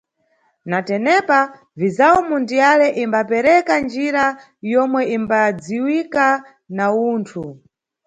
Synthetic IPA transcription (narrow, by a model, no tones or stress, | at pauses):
natɛnɛpa | vizawɔmundijalɛʔimbapɛɾɛkand͡ʒiɾa | jɔmwɛimbad͡ziwika | nauːntʰu